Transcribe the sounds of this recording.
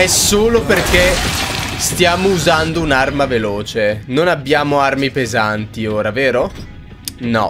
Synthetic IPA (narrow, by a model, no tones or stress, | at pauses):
ɛsːoːloperke | st̪jaːmouzand̪ounarmaveloːt͡ʃenonabːjaːmoarmipezant̪ioːɾaveːɾo | nɔ̰